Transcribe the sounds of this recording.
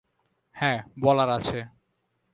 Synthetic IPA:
hɛ̃bɔlaɾat͡ɕʰe

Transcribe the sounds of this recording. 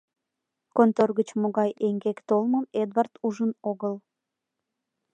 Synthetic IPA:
kont̪orɣət͡ɕmoɣɑjeŋɡekt̪olməmed̪vart̪uʒənoɣəl

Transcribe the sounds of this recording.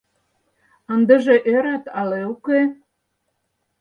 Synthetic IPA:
ə̆nd̪ə̆ʒeʔeɾæt̪ɑleuke

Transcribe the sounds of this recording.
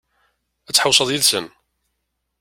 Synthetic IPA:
æt͡sːħəwsˤəðˤjiðsən

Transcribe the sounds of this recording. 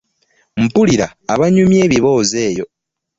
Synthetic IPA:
m̩puliɾaːβaɲumje̞ːβiβo̞ːze̞ːjo̞

